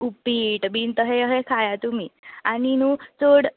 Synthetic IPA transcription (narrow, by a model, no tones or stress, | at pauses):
upiʈbʱint̪əɦeəɦekʰajat̪umiːaninut͡soɽ